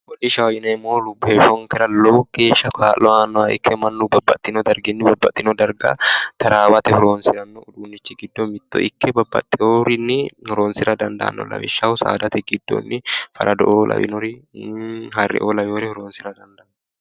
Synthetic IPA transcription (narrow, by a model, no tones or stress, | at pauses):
wɔlɪʃɐwɐjɪnɐɛmːoːlʊbːefɔŋkɛɾɐlɔwke̞ːʃːɐkʰaːlːɔaːnːɔaʔɪ̰kːɛmɐnːubɐbːɐt̪ʼːɪnɔd̪ɐɾɡɪnːɪbɐbːɐt̪ʼːɪnɔd̪ɐɾɡa̰t̪ɐɾaːwɐt̪ɛhʊɾoːnsɪɾɐnːɔːᶑ̪uːnːɪt͡ʃːɪɡɪd̪ːomɪt̪ːɔ̰ʔɪkʰːɛbɐbːɐ̰t̪ʼːɪoːɾɪnːɪhʊɾoːnsɪɾɐd̪ɐnd̪ɐ̰ʔɐ̰nːɔ̰lɐ̰wɪ̰ʃːɐhʊsa̰ːd̪ɐt̪ɛɡɪd̪ːo̰nːɪfɐ̰ɾʔɐd̪ɔʔoːlʔɐ̰wɪ̰nɔɾɪ | ɦɐrːɛ̰ʔoːlɐβoːɾɪhʊɾoːnsɪɾɐd̪ɐnd̪ɐʔnːɔ